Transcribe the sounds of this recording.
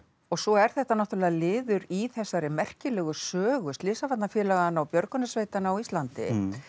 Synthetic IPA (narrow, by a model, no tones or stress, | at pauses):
ɔɣsɔɛɾ̥θɛht̪anɔht̪ʏɾlɛɣalɪːðʏɾiθɛsːaɾɪmɛr̥cɪlɛːɣʏsœːɣʏst̪lɪːsafat̪nafjɛːlaɣaanawpjœɾkʏnasveːjt̪anaawist̪lant̪ɪ̰